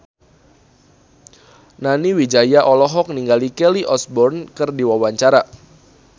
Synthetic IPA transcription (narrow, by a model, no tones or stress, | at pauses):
naniwid͡ʒajaʔɔlɔɦɔk̚niŋɡalikɛliʔɔsbɔrnkɨrdiwawaɲt͡ʃaɾa